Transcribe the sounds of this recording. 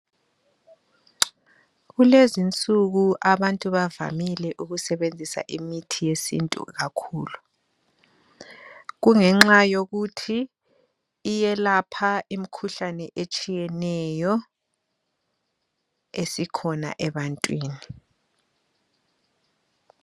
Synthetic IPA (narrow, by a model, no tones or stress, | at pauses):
ɣulezint͡sʼuɣuʔaβantʼuβava̰milɛʔuɣusɛβend͡zʱisa̰ʔimitʰijesḭntʼṵɣakʰuːlu | ɣuŋɛŋ͡ǁajoɣutʰi | jɛlapʰaimikʰuɬanɛʔet͡ʃʼijɛnɛjɔ | esikʰɔna̰ʔɛβantʼwiːni